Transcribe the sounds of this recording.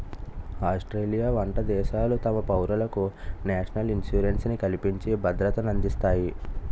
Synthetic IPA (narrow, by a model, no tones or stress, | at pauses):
aːsʈɾeːlijaːʋɐɳʈɐd̪ɛːʃaːlut̪ɐmɐpɐwɾɐlɐkunaːʂɐnɐlinsuːɾensnikɐlipiɲt͡ʃebʱɐd̪ɾɐt̪ɐnɐnd̪ist̪aːji